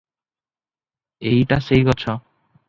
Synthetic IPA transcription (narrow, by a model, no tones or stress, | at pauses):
ejʈaʃejkɔt͡ɕʰɔ